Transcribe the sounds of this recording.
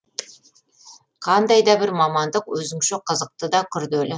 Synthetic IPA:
qʰɑnd̪ɑjd̪ɑbɪɾmɑmɑnd̪əqwɵzɪŋʃɪqʰəzəq̚t̪əd̪ɑkʲʰʏɾd̪ɵlɪ

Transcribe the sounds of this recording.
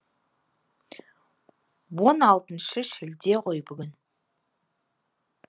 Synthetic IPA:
wo̞nɑlˠt̪ənʃəʃɪld̪e̞qʰo̞jbʏɡʲɪn

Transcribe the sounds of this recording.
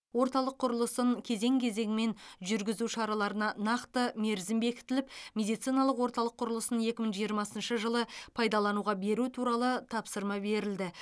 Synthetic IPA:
wo̞ɾt̪ɑlˠəqʰːʊɾəlˠəsəɴkʲʰe̞ze̞ŋkʲʰe̞ze̞ŋɪme̞nʒʏɾɡʲɪzuʃɑɾɑlˠɑɾənɑnɑqt̪əme̞ɾzɪmbe̞kʲɪ̥t̪ɪlɪpmʲe̞d̪ijt̪sijnɑlˠəqwo̞ɾt̪ɑlˠəqʰːʊɾəlˠəsəne̞kʲɪməɴʒijəɾmɑsənʃəʒəlˠəpʰɑjd̪ɑlˠɑnuʁɑbe̞ɾut̪ʰuɾɑlˠət̪ʰɑpsəɾmɑbe̞ɾɪld̪ɪ

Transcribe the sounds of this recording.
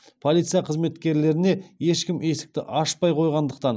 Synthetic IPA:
pʰo̞lˠijt̪sijɑqʰəzme̞t̪kʲe̞ɾle̞ɾɪne̞je̞ʃkʲɪme̞sɪ̥k̚t̪ɪʔɑʃpɑjqʰo̞jʁɑnd̪əq̚t̪ɑn

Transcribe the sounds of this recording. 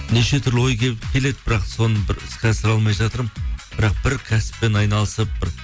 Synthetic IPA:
neʃe̞t̪ʰʏɾlɪwo̞jkʲekʲʰe̞le̞d̪ɪbɪɾɑqso̞nəbɪɾɪskʲæsɪɾɑlˠmɑjʒɑt̪əɾmb̥ɪɾɑq̚b̥ɪɾkʲʰæsɪ̥p̚ːe̞nɑjnɑlˠəsəp̚bɪɾ

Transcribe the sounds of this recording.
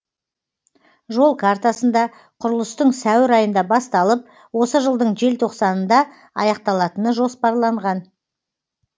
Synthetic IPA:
ʒo̞lˠkʰart̪asənd̪ɑ | qʰʊɾəlˠəst̪əɴsæwɪɾɑjənd̪ɑbɑst̪ɑlˠəp̚ | wo̞səʒəlˠd̪əɴʒe̞lt̪ʰo̞qsɑnənd̪ɑ | ɑ̰jɑq̚t̪ɑlˠɑt̪ənəʒo̞spɑɾlˠɑɴʁɑn

